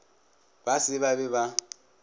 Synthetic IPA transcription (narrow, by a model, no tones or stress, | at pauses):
basɪβabɛβa